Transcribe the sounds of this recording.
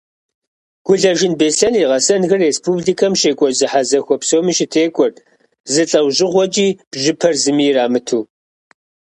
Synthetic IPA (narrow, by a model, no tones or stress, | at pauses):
ɡ̥ʷʊɮɐʒɪnbesɐniʁɐsɐnxɐrespʰubɮikʰɐmʃeːkʷʼɔzɨħazɐxʷɔpsoːmɨʃɪtʰeːkʷʼɔr | zɨɬʼɐwʑɪʁʷɔd͡ʒʼiːb̥ʒɪpʰɐrzɨmiːraːmɨtʰuː